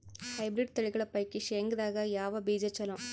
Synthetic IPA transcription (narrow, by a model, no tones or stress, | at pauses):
hɐɪbɾɪɖt̪ɐɭɪɣɐɭɐpɐɪkːiʃeːŋɡɐðaːɣɐjaːʋɐbiːd͡ʒɐt͡ʃːɐlõː